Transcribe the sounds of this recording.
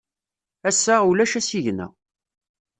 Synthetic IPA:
æsːæulæʃæsiʝnæ̰

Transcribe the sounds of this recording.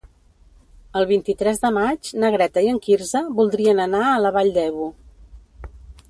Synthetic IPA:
əlˠβint̪it̪ɾɛzðəmad͡ʒnəɣɾɛt̪əiəŋkiɾzəβulˠd̪ɾiənənaələβaʎd̪ɛβu

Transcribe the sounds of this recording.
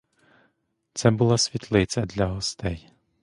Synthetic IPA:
t̪sɛbulˠasʲʋʲit̪lˠɪt͡sʲɐd̪lʲɐɦɔst̪ɛj

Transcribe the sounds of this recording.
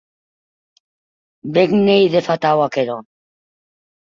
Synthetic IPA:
beɡnejðefat̪awakeɾo

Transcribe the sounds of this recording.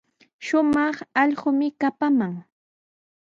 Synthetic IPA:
ʃʊmɑχɑʎɢʊmɪkapamaŋ

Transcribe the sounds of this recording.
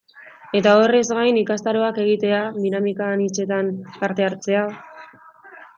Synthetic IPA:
e̞t̪ao̞re̞zɡajnikast̪aɾo̞ake̞ɣ̞it̪e̞aðinamikanit͡se̞t̪anpaɾt̪e̞aɾt͡se̞a

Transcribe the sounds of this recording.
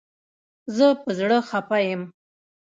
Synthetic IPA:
zəpəzɽəxapajəm

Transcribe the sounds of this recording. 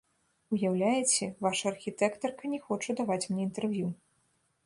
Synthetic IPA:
ujawlʲajɛt͡sʲɛvaʂɐːrxʲit̪ɛkt̪ɐrkɐnʲɛxɔt͡ʂɐd̪avat͡sʲmnʲɛint̪ɛrvʲju

